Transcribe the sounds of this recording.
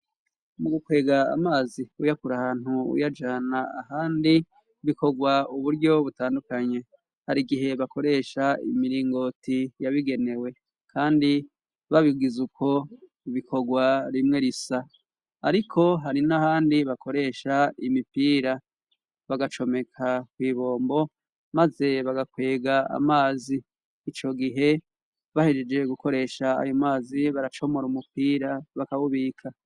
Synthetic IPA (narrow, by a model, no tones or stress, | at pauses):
muɡukwe̞ːɡaa̰maːziujakuɾahaːn̥huṵjad͡ʒanaahaːndi | βiko̞ɡwauβuɾɟo̞βutaːndukaɲe̞ | haɾiɡiɦe̞βako̞ɾe̞ʃaḭmiɾiːŋɡo̞tijaβiɡe̞ne̞we̞ | kʰaːndi | βaβiɡizukʰo̞ | βikʰo̞ɡwaɾimŋe̞ɾisaː | ɾikʰo̞ɦaɾinahaːndiβakʰo̞ɾe̞ʃaimipiːɾa | βaɡat͡ʃo̞me̞kʰakwiːβo̞ːmbo̞ | maze̞βaɡakwe̞ːɡaa̰maːziː | t͡ʃo̞ɡiɦe̞ | βahed͡ʒed͡ʒe̞ɡuko̞ɾe̞ʃaa̰jo̞maːziβaɾat͡ʃo̞mo̞ɾumupiːɾaβakaβuβiːkʰa